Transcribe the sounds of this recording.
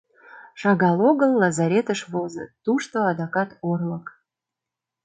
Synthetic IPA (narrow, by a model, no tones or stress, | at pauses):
ʃɑɣɑloɣəlːɑzɑɾʲet̪əʃβozə̰t̪uʃt̪oɑd̪ɑkɑt̪orlək